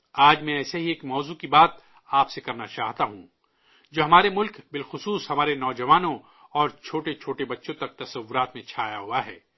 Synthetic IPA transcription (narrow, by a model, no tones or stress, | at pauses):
aːd͡ʒmɛ̃ɛːseɦieːkmɔːzukibaːt̪ | aːpsekɐɾnat͡ʃaːɦt̪aɦũː | d͡ʒoːɦɐmaːɾemʊlkbɪlxʊsuːsɦɐmaːɾenɔːd͡ʒɐʋaːnõ | ɔːɾt͡ʃʰoːʈet͡ʃʰoːʈebɐtːʃõt̪ɐk̚t̪ɐsɐʋːʊɾaːt̪mẽt͡ʃʰaːjaɦʊaɦɛ̰ː